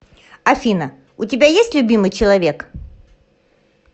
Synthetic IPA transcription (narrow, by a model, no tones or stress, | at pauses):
ɐfʲinə | ʊtʲɪbʲajesʲtʲlʲʊbʲimɨjt͡ɕɪlˠɐvʲe̞k